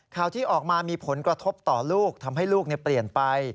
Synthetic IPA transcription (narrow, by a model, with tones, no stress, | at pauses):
kʰaː˨˩wt̪ʰiː˥˩ʔɔː˨˩k̚maː˧miː˧pʰo˩˦nkɾa˧t̪ʰo˦˥p̚t̪ɔː˨˩luː˥˩k̚t̪ʰa˧mɦa˥˩jluː˥˩k̚ni˥˩pli˨˩ənpa˧j